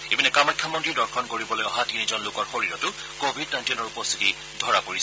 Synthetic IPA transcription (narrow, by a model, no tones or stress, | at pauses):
ebinɛkamɔjkʰːamɔntɹidɔɹkʰɔnkoɹibɔlojɔɦatinizɔnlokɔɹxoɹiɹɔtʊ | kobʱid̚najntiɔnɔɹupɔst̪ʰiti | dʱɔɹapoɹis